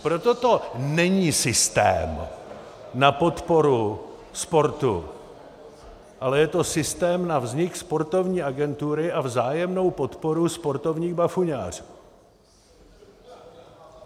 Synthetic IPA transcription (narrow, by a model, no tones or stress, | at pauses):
pɾot̪ot̪o̞nɛɲiːsɪst̪ɛ̰ːm | napo̞t̪po̞ɾu | spo̞ɾt̪ṵ | ʔalɛjɛt̪o̞sɪst̪ɛːmnavzɲɪkspo̞ɾt̪o̞vɲiːʔaɡɛnt̪uɾɪʔavzaːjɛmno̞wpo̞t̪po̞ɾuspo̞ɾt̪o̞vɲiːɣbafuɲa̰ːr̝u